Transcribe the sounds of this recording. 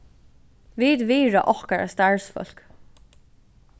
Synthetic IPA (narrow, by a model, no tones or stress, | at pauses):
viːd̪ʋiːɹa̰ʔɔhkaɹʔa̰st̪aɹsfœ̰l̥k